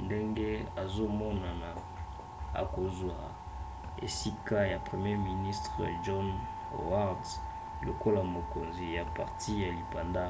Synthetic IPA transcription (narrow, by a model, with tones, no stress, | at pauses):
nde˦ŋɡe˦a˨zo˦mɔ˦na˨na˨ | a̰˨ko˨zwa˨ | ḛ˨si˦ka˦ja˨pχe˨mje˦mi˨ni˦stʁə̰˨ʒɔ˦n | o̰˨wa˦ʁds | lo̰˨ko˦la˨mo˨ko˨nzi˨ja˨pa̰˨ʁtʰi˦ja˨li˨pa˨nda˦